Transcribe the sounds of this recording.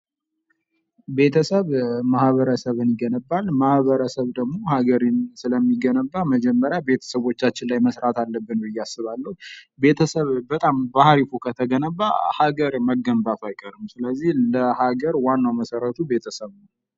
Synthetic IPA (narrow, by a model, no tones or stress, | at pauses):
be̞t̪ʰəsəβmahβəɾəsəβɨniɡənəbːalmahβəɾəsəβd̪əɡmo̞haɡəɾinsɨləmːiɡənəbːaməd͡ʒɛmːəɾjabe̞t̪ʰə̥səβo̞t͡ʃːat͡ʃːɪnlajməsɾat̪ʰalːəbːɨnwɨjːasːɨβalːəhube̞t̪ʰəsəβbət̪ʼambahɾifokʰət̪ʰəɡənəbːa̰haɡəɾməɡːəmbat̪ʰajkʼəɾɨmsɨləzːihləhaɡəɾwanːawməsəɾət̪ʰube̞t̪ʰəsəβnə